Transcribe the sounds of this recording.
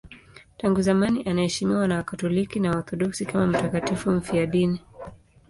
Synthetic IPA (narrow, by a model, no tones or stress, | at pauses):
taŋɡuzamaniʔanahɛʃimiwanawakatɔlikinawaθɔɗuksikamam̩takatifum̩fiaɗini